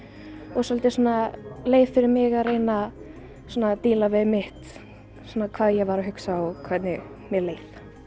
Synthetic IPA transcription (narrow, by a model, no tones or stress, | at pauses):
ɔɣsalt̪ɪsɔnaleːjv̥fɪɾɪɾmɪɣarejna | sɔːnat̪iːlavɪðmɪht̪ | sɔnakʰvaːðjɛɣvaɾaɦʏksaɔkʰvat̪nɪ | mjɛɾleːjθ